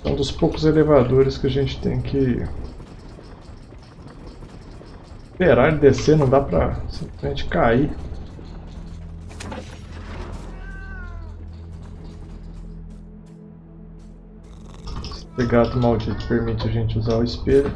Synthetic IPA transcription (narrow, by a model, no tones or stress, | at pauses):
ɐ̰̃d̪ʊspowkʊzelevad̪oɾɪskɪaʒẽnt͡ʃɪ̥t̪ḛ̃j̃kʰɪ | speɾaɾɪd̪esenɐ̃w̃d̪apɾɐ̰sĩplɪzmẽnt͡ʃɪ̥kai | st̪eɡat̪ʊmawd͡ʒit̪ʊ̥peɾmit͡ʃɪɐʒẽnt͡ʃɪuzaʊɪspeɾʊ